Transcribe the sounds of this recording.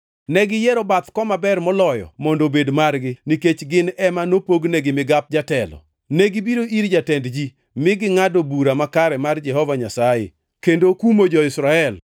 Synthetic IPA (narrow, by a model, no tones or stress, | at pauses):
nɛɡɪjɛɾobat̪kɔmabɛrmɔlɔjɔ̰mɔndobedmarɡɪniket͡ʃɡɪnɛmanopoɡnɛɡɪmɪɡap̚d͡ʒatɛlɔ̰ | nɛɡɪbiɾoʔiɾd͡ʒatɛndd͡ʒi | mɪɡɪŋadobuɾamakaɾɛmard͡ʒɛɦɔvaɲasajḛ | kendokumod͡ʒɔɪsɾaɛl